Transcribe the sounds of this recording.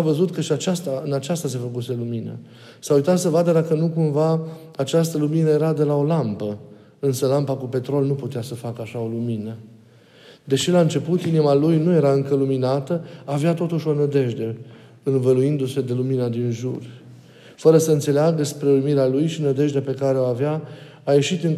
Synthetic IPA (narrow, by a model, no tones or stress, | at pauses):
avəzut̪kəʃiat͡ʃast̪aɨnat͡ʃast̪ase̞fəkuse̞luminə̰ | saujt̪at̪səvad̪əd̪akənukumva | at͡ʃast̪əluminəje̞ɾad̪e̞lao̞lampə | ɨnsəlampakupe̞t̪ɾo̞lnuput̪easəfakəaʃao̞luminə | d̪e̞ʃilaɨnt͡ʃe̞put̪inimalujnuje̞ɾaɨŋkəluminat̪əaveat̪o̞t̪uʃʲo̞nəd̪e̞ʒd̪e̞ | ɨnvəluind̪use̞d̪e̞luminad̪inʒur | fəɾəsəɨnt̪se̞leaɡəspɾe̞ulumiɾealujʃinəd̪e̞ʒd̪eape̞kaɾeoaveaː | je̞ʃit̪ɨŋ